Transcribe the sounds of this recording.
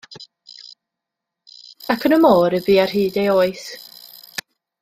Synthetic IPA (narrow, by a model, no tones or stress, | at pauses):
akʰənəmoːɾɪbiːar̥hɨːdejoːɨθ